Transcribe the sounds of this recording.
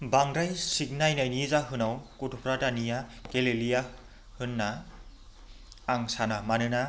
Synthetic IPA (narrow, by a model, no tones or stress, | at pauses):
baŋɾajsik̚najnajnizaɦɯnawkutʰupʰɾatanijakelelija | hɯnːa | ŋsanamanɯna